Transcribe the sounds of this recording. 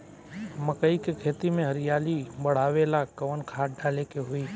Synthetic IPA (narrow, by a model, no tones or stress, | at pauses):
məkəikekʰeːt̪imẽɦəɾɪjaːliɓəɽ̤aːʋelaːkəʋənkʰaːʈ̚ɖaːlekeɦʊiː